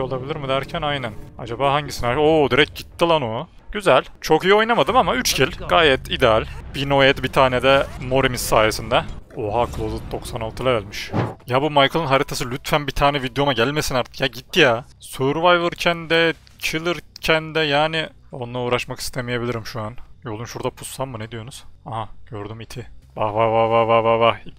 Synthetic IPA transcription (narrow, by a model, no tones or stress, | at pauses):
o̞lˠabilʲiɾmɯd̪æɾcʰænajnænad͡ʒabaːɦaɲɟisinaoːd̪iɾɛc̚ɟit̪ːilˠano | ɟyzælʲt͡ʃʰo̞kijio̞jnamad̪ɯmamayt͡ʃcilʲɡ̥aːjɛt̪ʰid̪ealʲb̥ino̞jɛt̪bit̪ʰaːnɛd̪ɛmo̞ɾimissaːjesind̪ɛoɦakʰlˠozɯt̪̚d̪o̞ksanalt̪ʰɯlˠaɛlʲmiʃjabumajkʰɯlˠɯnɦaɾit̪ʰasɯlʲyt̪fænbit̪ʰaːnɛvid̪jo̞maɟælʲme̞sinaɾt̪ʰɯ̥kjaɟit̪ːija | suɾvajvɯɾcʰænd̪ɛ | t͡ʃʰɯlˠɯɾcʰænd̪ɛjaːnɪ | o̞̰nlˠaɾuːɾaʃmaki̥st̪ʰemijebilʲiɾimʃuanjo̞lˠunʃuɾd̪apʰu̥sːanmɯnɛd̪ijo̞nuz̥aɦaɟ̥øɾd̪ymit̪ʰivahvavavavavava